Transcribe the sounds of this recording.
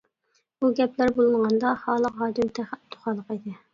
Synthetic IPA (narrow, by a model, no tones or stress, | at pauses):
b̥uɡʲɛplæɾbolˠɨnʁɑnd̪ɑhɑːlˠəɑːd̪ymt̪ʰæχæt̪ʰːo̥χɑlˠːəqid̪ɪ